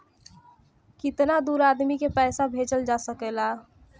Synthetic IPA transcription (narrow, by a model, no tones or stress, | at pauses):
kit̪nad̪uɾad̪mikepɛɪsabʱet͡ʃəld͡ʒasəkela